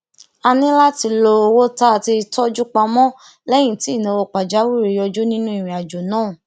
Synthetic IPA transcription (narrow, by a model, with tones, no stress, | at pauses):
a˧nĩ˦la˦ti˧lo˧wo˦ta˦˨ti˧tɔ˦d͡ʒu˦k͡pa˧mɔ̃˦ | lɛ˦j̃ĩ˦˨ti˨˦˨nĩ˨˧wo˧k͡pa˨d͡ʒa˨˦wu˦˨ɾe˨˦jɔ˧d͡ʒo˦nĩ˦nũ˦i˨ɾ̃ĩ˨a˨d͡ʒo˨nãː˦˨